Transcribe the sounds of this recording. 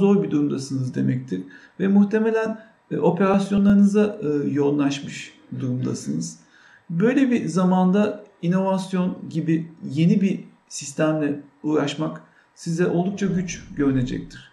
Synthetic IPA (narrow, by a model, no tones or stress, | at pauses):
o̞ɾbid̪uɾumd̪asɯnɯzd̪e̞mɛc̚t̪ʰiɾ̥ | vɛmuxt̪ʰe̞me̞lʲæn | ʔo̞pe̞ɾasjo̞nˠaɾɯnɯzaɯjo̞nlˠaʃmɯʃ | d̪uɾumd̪a̰sɯnɯz̥ | bø̞jlʲebizamand̪aino̞vasjo̞nɟibije̞nibi | sist̪ʰæmlʲɛuːɾaʃmak | sizɛʔo̞lˠd̪uk̚t͡ʃʰaɟyt͡ʃɟø̞ɾyne̞d͡ʒɛ̰c̚t̪ʰiɾ̥